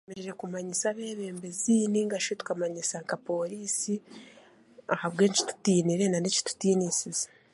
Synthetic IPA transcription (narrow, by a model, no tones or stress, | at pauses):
emeɾeɾekumaɲisaβe̞ːβe̞ːmbe̞ziːniŋɡaʃotu̥kamaɲisaŋkapo̞ːɾiːsi | ahaβɡe̞ːɲt͡ʃi̥tu̥tiːniɾe̞naneci̥tu̥tiːnisize̥